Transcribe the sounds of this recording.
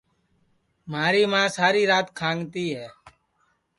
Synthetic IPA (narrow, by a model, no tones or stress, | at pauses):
maːɾiːmãːsaːɾiːɾaːt̪kʰãːŋt̪iːɦɛː